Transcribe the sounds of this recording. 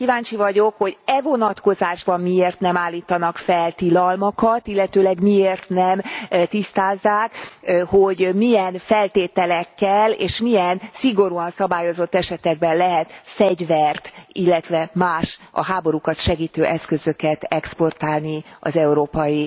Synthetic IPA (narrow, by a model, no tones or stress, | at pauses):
kivaːnt͡ʃivɒɟo̞kho̞ɟɛvo̞nɒt̪ko̞zaːʒbɒmːieːrt̪nɛmaːlːiːt̪ɒnɒkfɛlt̪ilɒlmɒkɒt̪ilːɛt̪øːlɛɡmieːrt̪nɛmt̪ist̪aːzːaːkho̞ɟmijɛnfɛlt̪eːt̪ɛlɛkːɛlḛːʃmiɛnsiɡo̞ɾuɒnsɒbaːjo̞zo̞t̪ːɛʃɛt̪ɛɡ̚bɛnlɛɦɛt̪fɛɟvɛrt̪ilːɛt̪ʋɛmaːʃɒ̰ɦaːbo̞ɾukɒt̪ʃɛɡiːt̪øːʔɛskø̞zø̞kɛt̪ɛkspo̞rt̪aːlniɒ̰zɛuɾoːpɒji